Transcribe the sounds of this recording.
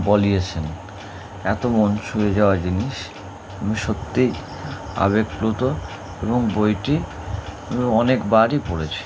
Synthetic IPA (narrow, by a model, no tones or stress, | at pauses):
bolijet͡ɕʰen | ɛt̪omɔnʃued͡ʑaoad͡ʑiniʃ | amiʃot̪ːi | a̰βekplut̪o | eβoŋbojʈi | amiɔnekbaɾipoɽet͡ɕʰi̥